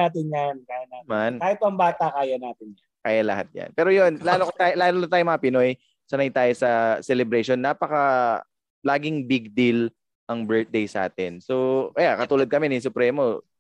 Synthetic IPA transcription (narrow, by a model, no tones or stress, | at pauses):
aːt̪ɪnjankaːjanaːt̪mankaːhɪt̪̚ːɐŋbaːt̪akaːjɐnaːt̪ɪnjankaːjalɐhat̪̚jɐ̰npɛːɾojo̞nlaːlokot̪aːjlaːlolɐt̪aːjomɐŋɐpɪno̞j | sɐnɐajt̪aːjosɐsɛlɛbɾɛʃo̞nːaːpɐkɐ | laːɡɪŋbɪɡ̚d̪il | ʔɐŋbɛɹt̪̚d̪ejsɐʔa̰ːt̪ɛnso̞ʔɐjakɐt̪uːlɐd̪̚kɐmɛnɐs̬ʊpɾɛːmo̞